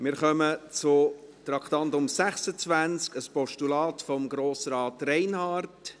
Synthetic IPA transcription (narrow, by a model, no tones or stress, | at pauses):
mɪːɾχœmət͡sʊt̪ɾɑkχt̪ɑntʊmsæχsət͡sʋænt͡skəspɔʃtulɑːtfɔmɡɾoːsɾɑːtɾɛɪnhɑːrt